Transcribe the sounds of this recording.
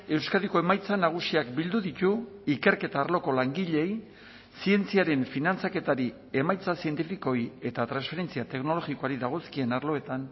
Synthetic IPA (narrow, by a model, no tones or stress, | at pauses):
e̞wskaðiko̞e̞majt͡sanaɣ̞usiakbild̪uðit̪uike̞ɾke̞t̪aːɾlo̞ko̞laŋɡiʎe̞j | sie̞nt͡siaɾe̞ɱfinant͡sake̞t̪aɾi | e̞majt͡sasie̞nt̪ifiko̞je̞t̪at̪ɾansfe̞ɾe̞nt͡siat̪e̞kno̞lo̞ɣiko̞aɾiðaɣ̞o̞skie̞naɾlo̞e̞t̪an